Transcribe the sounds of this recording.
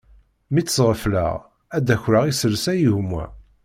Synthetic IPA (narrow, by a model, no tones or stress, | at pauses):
mit͡sːə̥sʁəflə̰ʁ | æd̪æçɾəʁisəlsæjəʝmːæ̰